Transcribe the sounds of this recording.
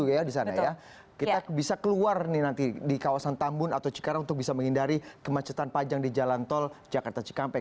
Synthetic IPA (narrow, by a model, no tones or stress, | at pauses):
uajadis̬anaja | kit̪abisakəluarnɪnant̪idikawasant̪ambʊnat̪awt͡ʃi̥kaɾaunt̪ʊk̚bisaməŋhindaɾikəmat͡ʃət̪anpad͡ʒaŋdid͡ʒalant̪ɔld͡ʒakart̪at͡ʃi̥kampɛ